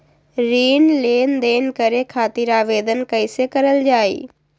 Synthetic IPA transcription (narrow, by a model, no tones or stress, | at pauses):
ɾiːnleːnd̪eːnkɐɾekʰaːt̪ɪɾaːʋeːd̪ənkɐɪsekɐɾəld͡ʑaːḛː